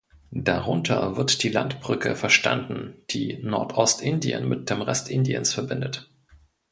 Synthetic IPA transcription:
d̥aʁʊntʰɐ̰vɪɐtd̥iːla̰ntb̥ʁ̥ʏkə̰fɛɐʃta̰ndn̩d̥iːnɔɐtʰʔɔstʔɪndiə̰nmɪt̚d̥eːmʁɛstʔɪndiə̰nsfɛɐbɪndət

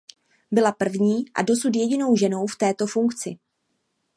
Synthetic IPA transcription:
bɪlapr̩vɲiːʔa̰do̞sut̪̬jɛɟɪno̞wʒɛno̞wft̪ɛːt̪o̞fuŋkt͡sɪ

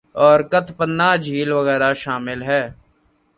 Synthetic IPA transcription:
ɔːɾkət̪ʰpənːad͡ʒʱiːlʋəɣɛːɾaʃaːmɪlɦɛː

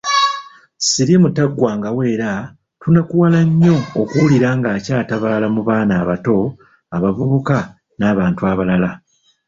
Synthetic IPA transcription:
siɾimutaɡːwaːŋɡawe̞ːɾa | tunakuwalaɲːo̞ːkuuliɾaːŋɡaːcaːtaβaːlamuβaːnaːβato̞ | aβavuβuka | naːβaːntuaβalala

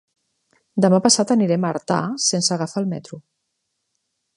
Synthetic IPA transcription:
d̪əmapəsat̪əniɾɛmaɾt̪a̰sensəːɣafaːlˠmɛ̰t̪ɾu

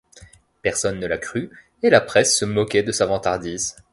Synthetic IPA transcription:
pɛʁsɔnːəlakχy | elapχɛsːəmɔkʲɛd̪əsavɑ̃t̪aʁd̪iːz

